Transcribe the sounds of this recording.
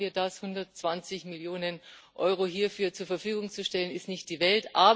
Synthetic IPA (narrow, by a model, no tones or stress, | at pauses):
iːɐdashʊndɐtt͡sv̥ant͡sɪçmɪljoːnənʔɔ̰ʏʁ̞oɦiːɐfyːɐt͡suːɐfɐfyːɡʊŋt͡suʃtɛlənɪstnɪçt̚d̥iːvɛltʔaːb